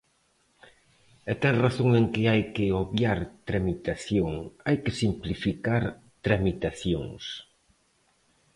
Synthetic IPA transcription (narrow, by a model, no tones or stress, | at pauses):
ɛt̪ɛŋraθoŋeŋkɪajkɪoβjaɾt̪ɾamit̪aθjoŋajkɪsimplifikaɾ | t̪ɾamit̪aθjo̰ŋs